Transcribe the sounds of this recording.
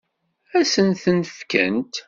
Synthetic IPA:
æsənθənəfkə̰nt̪

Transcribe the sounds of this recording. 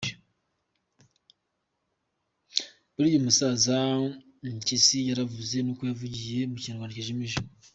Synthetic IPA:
βuɾiːjomusaːza | ɲcisijaɾavuze̞nokujavuɟije̞muciaɾwaːniceʒemiʒimo

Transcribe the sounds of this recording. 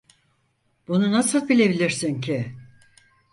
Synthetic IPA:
b̥ununasɯlˠbilʲe̞bilʲiɾsincʰɪ

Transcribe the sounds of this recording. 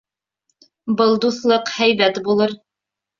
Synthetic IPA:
bɤlˠd̪uθlˠɤqhæjbæt̪bulˠɤɾ

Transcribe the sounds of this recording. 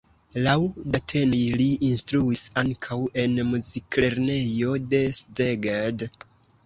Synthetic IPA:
lawdatʰenijliʔinstɾuisaŋkʰawe̞nmuzikʰle̞ɾne̞jo̞de̞szeɡad

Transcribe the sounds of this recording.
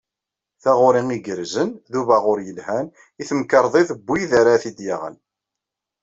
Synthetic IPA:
θæʁʊɾiŋiɡəɾzənðuvæʁʊɾjəlhæn | iθəmkːəɾˤðˤiθəbːiðaɾaθid̪jaʁə̰n

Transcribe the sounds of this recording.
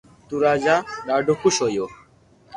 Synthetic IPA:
t̪uɾad͡ʑaɾaɖokuʃojo

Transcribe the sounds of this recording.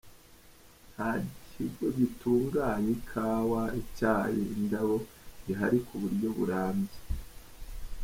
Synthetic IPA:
naɟihiɡwo̞ɟituːŋɡaɲikʰaːwaicaːjiːndaβo̞ | iɦaɾikʰuβuɾɟo̞βṵɾaːmbze̥

